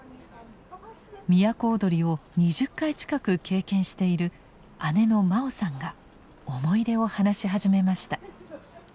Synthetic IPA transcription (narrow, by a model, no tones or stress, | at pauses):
mʲijako̞ːd̪o̞ɾʲio̞ɲ̟iʑɨkːait͡ɕi̥kakɯ̟ke̞ːkẽ̞ɰ̃ɕi̥t̪e̞iɾɯ̟ | ane̞no̞mao̞sãŋɡa | omo̞id̪e̞o̞hanaɕiɦaʑime̞maɕi̥t̪ḁ